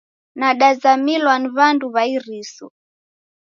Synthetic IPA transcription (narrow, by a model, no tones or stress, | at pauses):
naɗazamilwaniβanduβaiɾisṵ